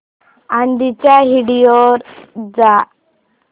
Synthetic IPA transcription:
and̪it͡ɕjaɦiɽijoɾd͡za

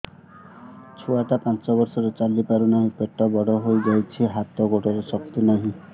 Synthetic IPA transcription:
t͡ʃʰɔaʈapãnt͡ʃɔbɔɾsɔɾet͡ʃalipaɾunaɦĩpeʈːɔbɔɽɔɦojd͡ʒajt͡ʃʰiɦat̪ɔɡoʈɔɾesɔk̚t̪inɔɦĩ

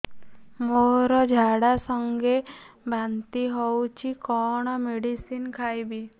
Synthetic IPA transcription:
moɾɔd͡ʒʱaɽasəŋɡebʱant̪iɦɔwt͡ʃikɔɳ̃ɔmeɽisinkʰajbi

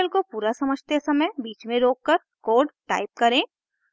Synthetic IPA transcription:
əlkopuːɾasɐməd͡ʒʱt̪esɐməjbiːt͡ʃmẽɾoːkːəɾ | koːɖʈa̰ːɪp̚kɐɾẽ

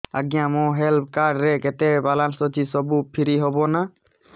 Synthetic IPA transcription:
a̰ɡijãmɔɦɛlp̚ʰkaɖɾɛkɛtɛbalansɔd͡ʒisɔbupʰiɾiɦɔbɔna

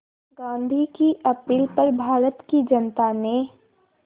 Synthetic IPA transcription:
ɡãːnd̪ʱikiʔɐpiːlpɐɾbʱaːɾət̪kid͡ʒɐnt̪anẽ

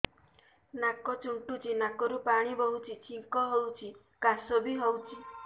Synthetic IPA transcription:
nakɔt͡ʃuɳʈut͡ʃinakɔɾupaɽ̃ibɔɦut͡ʃʰit͡ʃʰiŋkɔɦɔwt͡ʃʰi | kasɔbiɦɔwt͡ʃʰi

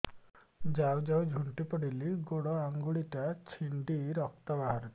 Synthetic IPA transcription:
d͡ʒawd͡ʒawd͡ʒʱuɳʈipɔɽiliɡoɽɔaŋɡuɽiʈat͡ʃʰiɳɖiɾɔk̚t̪abaɦaɾɔt̪i

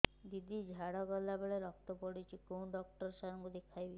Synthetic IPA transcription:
d̪id̪id͡ʑʱaɽɔɡɔlːabeɭeɾɔk̚t̪opoɽit͡ʃʰikownɖɔk̚ʈɔɾʃaɾŋɡod̪ikʰːajbi

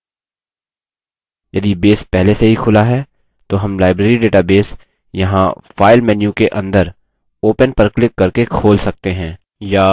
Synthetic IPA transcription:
jɐd̪ibeːspɛɦleseɦixʰʊlaɦɛː | t̪oɦɐmlaːɪbɾeːɾiɖeːʈabeːs | jɐɦãfaːɪlmɛːnjũkeʔɐ̃nd̪əɾ | oːpənpɐɾklɪkːɐɾkekʰoːlsɐk̚t̪eɦɛ̃ː | jaː

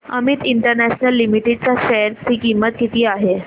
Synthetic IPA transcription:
ə̰mit̪iɳʈəɾnæɕnəlːimiʈeɖ̚t͡saɕeɾt̪iːkimːət̪̚kit̪iːaɦe

